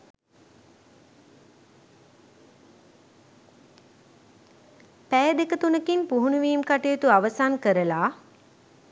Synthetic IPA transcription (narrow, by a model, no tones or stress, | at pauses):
pæjəd̪ekət̪unəkinpuɦunuʋiːmkaʈejːt̪uaʋəsankəɾəlaː